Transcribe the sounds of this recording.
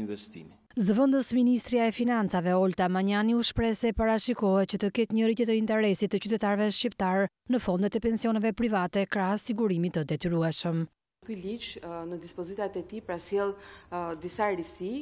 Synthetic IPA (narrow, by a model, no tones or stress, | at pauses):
nvɛst̪ḭmi | zəvənd̪əsminist̪ɾiaɛfinant͡savɛɔlt̪amaɲaniuʃpɾɛsɛpaɾaʃikɔɦɛt̪t͡ɕət̪əkɛt̪ɲəɾit̪ɛt̪əint̪ɛɾɛsit̪ːət͡ɕyt̪ɛt̪aɾvɛʃcipt̪aɾ | nəfɔnd̪ɛt̪ɛpɛnsiɔnɛvɛpɾivat̪ɛkɾaɦɛsiɡuɾimit̪əd̪ɛt̪yɾuɛʃəm | kylit͡ʃnəd̪ispɔzit̪at̪ɛt̪ipɾasjɛlˠd̪isaɾisi